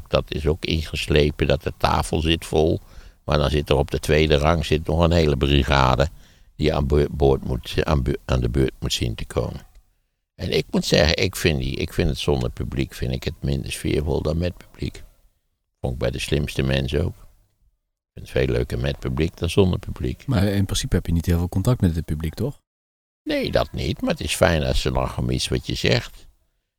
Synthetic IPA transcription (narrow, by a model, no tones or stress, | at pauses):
d̥ɑtʰɪsokɪ̰nχəsleːpədɑt̚dətʰa̰ːfəlˠzɪtfolˠmaːɹdɑnzɪtərɔb̚dətʋeːdərɑŋz̥ɪtnɔxənɦeːləbriɣa̰ːdə | d̥ia̰bboːtmua̰ːnaːndəbøːt̚mutsintəkʰo̰ːmən | ʔɛnʔɪk̚mutsɛɣəɪkfɪndḭʔɪ̰kfɪndətsɔndəɹpyblikfɪndɪkhətmɪndə̰ɹsfɪ̰ːɹvo̰lˠdɑnmɛt̚py̥b̥lik | foɪɡ̚bɛjdəslɪmstəmɛnsoːk | kfɪntfeːlːø̰ːkəmɛt̚pyblik̚d̥ɑnzɔndəɹpyblḭkmaɪnprɪnsipəɛpjənitheɪːlˠvɪːlˠkɔntɑk̚tmɛt̚dɪt̚pyblik̚tɔx | neːdɑ̰tnḭtmaːətɪsfɛjna̰səla̰xɔmitsʋɑtjəzɛxt